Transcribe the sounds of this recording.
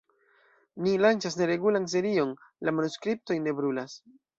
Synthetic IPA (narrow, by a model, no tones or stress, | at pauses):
nilant͡ʃasne̞ɾe̞ɡulans̬e̞ɾio̞nlamanuskɾip̚to̞jne̞bɾulas